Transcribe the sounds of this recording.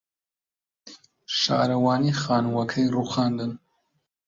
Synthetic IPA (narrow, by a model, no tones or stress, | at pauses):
ʃɑ̰ːɾɐwɑːnixɑːnwɐkʰɐjruxɑːnd̪ɨn